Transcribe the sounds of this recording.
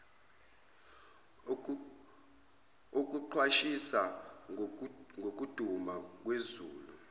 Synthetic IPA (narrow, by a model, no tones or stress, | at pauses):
ok̬ʼuǃʰwaʃisa | ŋʱok̬ʼud̥ʱumak̬wezuːlu